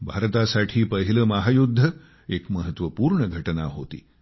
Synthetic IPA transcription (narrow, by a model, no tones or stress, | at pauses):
bʱaɾt̪asaʈʰiːpəɦiləmaɦajud̪ʱːə | ekməɦət̪ʋəpuːɾɳəɡʱəʈənaɦot̪ḭː